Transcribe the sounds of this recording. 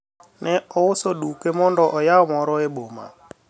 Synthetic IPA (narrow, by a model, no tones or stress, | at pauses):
nɛɔʊsoɗukemɔndɔʔɔjaɔmɔɾɔeɓoma̰